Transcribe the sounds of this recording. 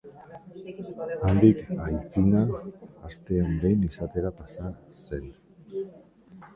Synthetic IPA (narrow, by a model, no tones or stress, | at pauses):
and̪ikajt͡sinaːst̪e̞ambe̞jnisat̪e̞ɾapasa | se̞n